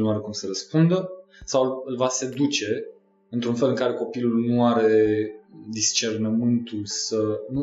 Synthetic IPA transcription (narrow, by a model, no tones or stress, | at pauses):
lnuaɾe̞kumsəɾəspund̪ə | sawɨlvase̞d̪ut͡ʃe̞ | ɨnt̪ɾunfelɨŋkaɾe̞ko̞pilulnuaɾe̞ | d̪ist͡ʃe̞rnəmɨnt̪ulsənu